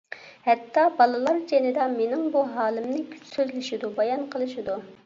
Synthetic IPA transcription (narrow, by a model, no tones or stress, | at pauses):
hɛt̪ʰːɑbɑlˠɨlˠɑɾd͡ʒenɨd̪ɑmenɪŋbuɦɑːlˠɪmnɨkʲʰy̥t͡ʃsøzlɪʃɪd̪ubɑjɑnqʰəlˠɨʃid̪u